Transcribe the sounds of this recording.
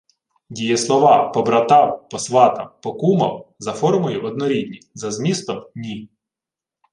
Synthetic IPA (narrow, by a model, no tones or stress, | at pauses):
dʲijɛslˠɔʋɑpɔbɾɐt̪ɑwpɔsʋɑt̪ɐ̰mpɔkumɐ̰wzɐfɔrmʊjʊʔɔd̪̚nɔɾʲid̪ʲnʲizɐzmʲist̪ɔmnʲi